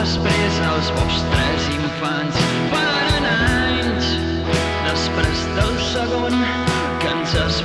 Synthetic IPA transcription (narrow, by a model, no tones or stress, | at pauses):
əspɛzəlˠzβɔpst̪ɾɛziɱfans | fa | ɾənajns | d̪əspɾɛzd̪əlˠsəɣon | kənzəs